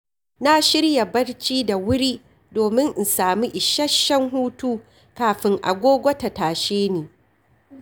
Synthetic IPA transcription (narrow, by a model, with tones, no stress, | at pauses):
na˦ʃɪ˦ɽja˨bɐ˦ɽt͡ʃiː˦da˨wʊ˦ɽiː˦ | doː˨mɪ˦ŋʔɪ˨nsaː˨mi˦ʔɪ˨ʃɐ˦ʃːɐ˦ŋɦuː˦tuː˦ | kaː˨ɸɪ˦ŋʔa̰˨ɡʷoː˦ɡʷɐ˦ta˨taː˨ʃeː˦neː˨